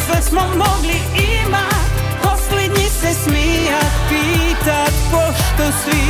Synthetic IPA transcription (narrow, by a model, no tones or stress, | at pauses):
ɛt̪smomoɡli | ima | posled̪ɲisɛsmijat̪piːt̪at̪poʃt̪osʋi